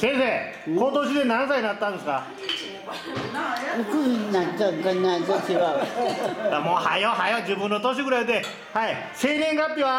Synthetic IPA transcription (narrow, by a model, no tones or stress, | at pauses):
sẽɰ̃se | kot̪oɕ̬id̪e̞nãñsaiɲinat̪ːãnd̪esɨ̥ka | okɯiinatakaɲat̪ot͡ɕiβa | jamoːhajoɦajod͡ʑɨːbɯ̃nːot̪oɕ̬iɡɯ̟ɾaid̪e | hai | se̞ːɾʲẽŋɡapʲːiβa